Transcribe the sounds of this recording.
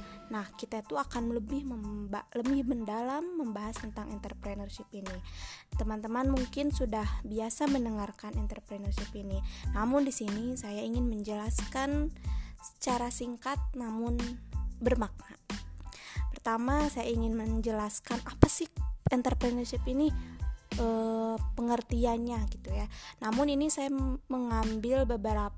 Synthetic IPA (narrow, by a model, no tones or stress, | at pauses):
nahkit̪ait̪uakanləbɪhməmbaləbɪhbəndalamːəmbaɦast̪ənt̪aŋɛnt̪ərpɾenərʃipinit̪əmant̪əmanmuŋkɪnsudahbiasamənəŋarkanɛnt̪ərpɾɛnərʃipininamʊndisinisajaiŋɪnməɲd͡ʒəlaskansə̥t͡ʃaɾasiŋkat̪̚namʊnbərmak̚na | pərt̪amasajaiŋɪnməɲd͡ʒəlaskanapasɪhɛnt̪ərpɾənərʃɪpiniʔəpəŋərt̪ianɲaɡit̪ujanamʊninisajaməŋambɪlbəbəɾap